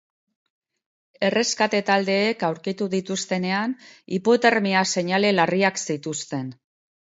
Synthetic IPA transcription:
e̞re̞skat̪e̞t̪ald̪e̞ːkawɾkit̪uðit̪ust̪e̞ne̞anipo̞t̪e̞ɾmiase̞ɲale̞lariaksit̪ust̪e̞n

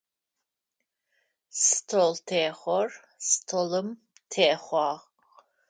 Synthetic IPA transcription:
stʰoltʰeːχʷɔr | stʰolɨm | tʰeːχʷɑːʁ

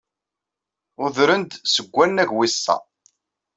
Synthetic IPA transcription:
ʊðɾənd̪səɡʷːænːæʝwisːɑ̰

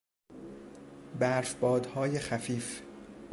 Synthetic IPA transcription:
bæɾfbɒːd̪hɒːjexæfiːf

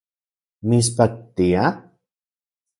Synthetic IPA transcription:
mis̬pak̚t̪ija

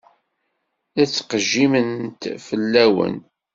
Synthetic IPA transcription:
æt͡sːqəʒːimənt̪fəlːæwə̰n

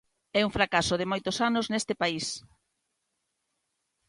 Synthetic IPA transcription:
ɛuŋfɾakasoðɪmojt̪osanoznest̪ɪpais

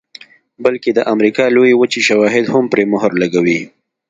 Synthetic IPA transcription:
bəlked̪əʔamɾikɑlojewət͡ʃiʃawɑɦɪd̪hʊmpɾemʊɦaɾlaɡawi

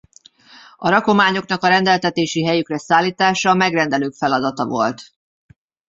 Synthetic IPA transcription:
ɒɾɒko̞maːɲo̞knɒkɒɾɛnd̪ɛlt̪ɛt̪eːʃiɦɛjykrɛsaːlːiːt̪aːʃɒmɛɡrɛnd̪ɛløːkfɛlɒd̪ɒt̪ɒvo̞̰lt̪

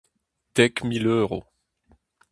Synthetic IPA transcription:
t̪ɛkmiløːʁo̰

